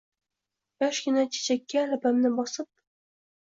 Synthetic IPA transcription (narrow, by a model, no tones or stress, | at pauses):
jɒʃɡʲɪnat͡ʃʰe̥t͡ʃʰakʲʰːaːlabamnɪbɒsɨp̚